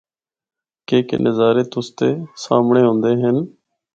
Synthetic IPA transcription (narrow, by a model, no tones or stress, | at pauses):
keːkɪ̰nʔəzaːɾeːt̪ʊst̪eːsaːmɳeːɦõːnd̪eːɦən